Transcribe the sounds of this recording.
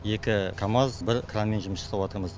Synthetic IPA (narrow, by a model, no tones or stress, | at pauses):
je̞kʲɪkʰamɑzbɪɾkʰranme̞nʒʊməsə̥sɑwot̪əɾməz